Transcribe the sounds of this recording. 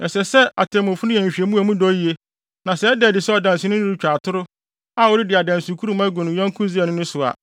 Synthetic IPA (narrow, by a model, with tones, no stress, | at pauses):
ɛ˨sɛ˨sɛ˦a̰˨tʰɛ̃˨mʊ̃˨fʊ˦nʊ̃˦ɛ̃˨ɲ̩˨ɕᶣi˨e˨mũ˦æ˨mũ˦dɔ˦ji˨e˦ | nã˨sɛ˦ɛ˦dɛː˨dɪ˨sɛ˦ɔ˨dã˨n˨sɪ̃˨nʊ̃˦nɪ̃˦ɾu˦˨t͡ɕᶣa˨tʰʊ˦ɾʊ˦ | a˨wɔ˦ɾɪ˦dɪ˨a˨dã˨n˨su˨kʰu˦ɾu˦mã˦ɡũ˨nʊ̃˨˦jɔ̃˦ŋ˦kʰʊ̃˦zi˦ɛ˨nʊ̃˦nʊ̃˦sʊ˨a̰˨